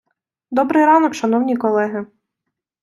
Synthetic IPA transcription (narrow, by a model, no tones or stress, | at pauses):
d̪ɔbɾɪjɾɑnɔkʃɐn̪ɔwnʲijkɔlˠɛɦɪ